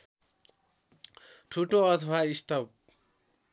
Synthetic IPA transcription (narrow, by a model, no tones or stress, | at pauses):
ʈʰuʈõʌt̪ʰʌbaisʈʌp̚